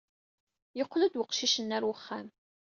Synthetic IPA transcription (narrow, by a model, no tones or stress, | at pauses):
jəqːlæd̪wəqʃiʃənːæɾwəχːæm